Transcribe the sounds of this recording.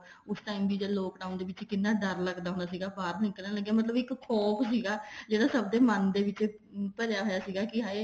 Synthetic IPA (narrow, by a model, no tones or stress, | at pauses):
ʊsʈaːiːmd̪iːd͡ʒeloːkɖaːʊ̃nd̪eːʋɪt͡ʃkɪnːaːd̪əɾləɡd̪aːɦõːnd̪asiːɡaːbaːɾnɪkəlnãːləɡːeaːmət̪̬ləbɪkkʰɔːpsiːɡaːd͡ʒeːɽaːsəb̚d̪eːmənd̪eːʋɪt͡ʃpəɾjaːɦoːjaːsiːɡaːkɪɦaːe